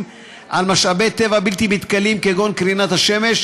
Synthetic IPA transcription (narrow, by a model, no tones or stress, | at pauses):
m | ʔalmaʃabe̞jt̪evabilt̪imit̪kalimkeɡo̞nkʁinat̪haʃe̞me̞ʃ